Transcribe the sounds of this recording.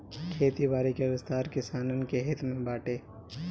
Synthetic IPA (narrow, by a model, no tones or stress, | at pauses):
kʰeːt̪ibaːɾikeʋɪst̪aːɾkɪsaːnənkeɦɪt̪ʰmẽbaːʈeː